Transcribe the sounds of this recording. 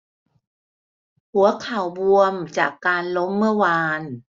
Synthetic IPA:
hu˩˦ɐkʰa˨˩wbu˧əmt͡ɕa̰ː˨˩kːaː˧nlo˦˥mːɯ˥˩ɐwaː˧n

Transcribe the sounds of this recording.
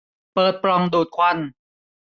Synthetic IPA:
pɤː˨˩t̪̚pɾɔ˧˩ŋduː˨˩t̪̚kʰwa˧n

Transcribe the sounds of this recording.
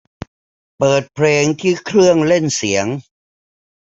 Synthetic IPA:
pɤː˨˩t̪̚pʰɾeː˧ŋt̪ʰiː˥˩kʰɾɯ˥˩əŋle˥˩nsi˩˦əŋ

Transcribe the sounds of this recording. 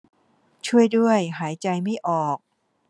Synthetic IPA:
t͡ɕʰu˥˩əjdu˥˩əjɦaː˩˦jt͡ɕa˧jma˥˩jʔɔː˨˩k̚

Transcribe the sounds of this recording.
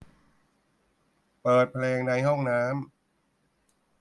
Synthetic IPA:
pɤː˨˩t̪̚pʰleː˧ŋna˧jɦɔ˥˩ŋnaː˦˥m

